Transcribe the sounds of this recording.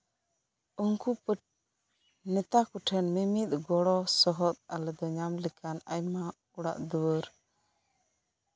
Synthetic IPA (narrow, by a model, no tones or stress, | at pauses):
uŋkupəʈ̚ | nɛt̪akuʈʰɛnmimit̪̚ˀɡɔɽɔsɔɦɔt̪̚alɛd̪ɔɲamlɛkanajma | uɽa̰ʔd̪uwəɾ